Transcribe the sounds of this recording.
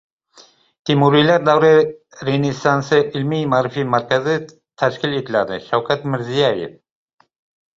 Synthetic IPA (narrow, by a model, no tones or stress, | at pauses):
t̪ʰimuɾilaɾd̪awɾe | ɾenisansɨʔilmijmaːɾɨfimaɾkazi | t̪ʰaʃkʲilit̪lad̪ɨʃawkʰat̪mɪɾzijajḛf